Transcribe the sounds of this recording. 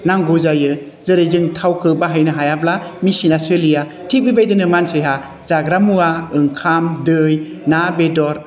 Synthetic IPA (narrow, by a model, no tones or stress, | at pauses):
naŋɡozajɯ | zɯɾɯjzɯŋtʰawkʰɯbaɦajnɯɦajablamisinasɯlija | tʰik̚bibajdɯnɯmansejɦa | z̥aɡɾamuaɯŋkʰamdɯj | nabedɔɾ